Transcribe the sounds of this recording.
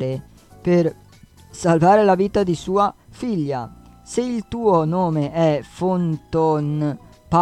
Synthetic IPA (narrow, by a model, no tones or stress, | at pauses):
ɾe | per | salvaːɾelaviːt̪ad̪isuːa | fiʎːa | seilt̪uːonoːmeʔɛfont̪on | pa